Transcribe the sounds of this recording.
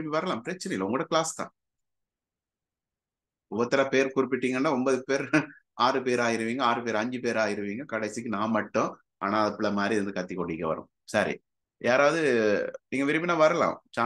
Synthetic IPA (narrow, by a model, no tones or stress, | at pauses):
ɪmːiʋɐɾɐlãːmpɪɾɐt͡ʃːɪnɐɪlːɐʊŋɡɐɽɐkɪɭaːst̪ã̰ː | ʊʋɐt̪ːɐɾapeːɾkʊɾɪp̬ːɪʈːiːŋɡɐnːaːɔmbɐðɯpeːɾ | aːɾɯpeːɾaːjɪɾɯʋiːŋɡɐaːɾɯpeːɾɐɲd͡ʒɯpeːɾaːɣɪɾɯʋiːŋɡɐkɐɽɐɪsɪkːɯnãːmɐʈːʊ̃ | aːnaːɐðɐpːɪɭɐmaːd̪ɾiʋɐnd̪ɯkɐt̪ːikːɔɳɖɪkːɐʋɐ̰ɾɯ̰̃ | sɐɾḭ | jaːɾaːʋɐðɯniːŋɡɐʋɪɾɪpːinaːʋɐɾɐlã̰ːt͡ʃaː